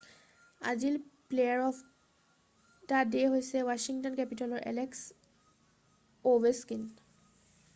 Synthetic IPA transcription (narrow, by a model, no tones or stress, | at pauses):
a̰zilplejaɹɔpʰ | tadeɦojsɛwaʃiŋtɔnkɛpitɔlɔɹʔɛ̰lɛks | obɛskin